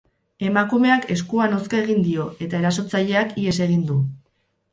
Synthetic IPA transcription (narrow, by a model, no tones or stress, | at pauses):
e̞makume̞ake̞skuanoskae̞ɣ̞ind̪io̞ʔe̞t̪ae̞ɾaso̞t͡saʎe̞akie̞se̞ɣind̪u